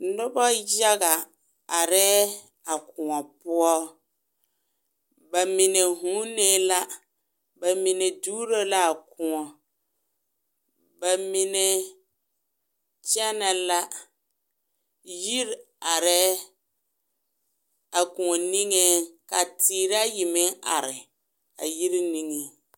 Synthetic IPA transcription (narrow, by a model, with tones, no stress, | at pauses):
nʊ˦bɔ˦ja˦ɡa˨ | a˨ɾɛː˦ | a˨kʊ̃˨ŋɔ˨pʊ˦ɔ˦ | ba˨mɪ˨ne˨ɦũ˨˦ne˦la˦ | ba˨mɪ˨ne˨duː˦ɾo˦la˦a˨kʊ˨ŋɔ˨ | ba˨mɪ˨nɛ˨ | t͡ʃɛ˦na˨la˦ | ji˦ɾ | a˨ɾɛː˦ | a˨kũ˨ŋɔ˨ni˦ŋe˦ka˨tiː˨ɾa˦ji˨mɪ˦ŋa˨ɾɪ˨ | a̰˨ji˦ɾi˦ni˦ŋe˨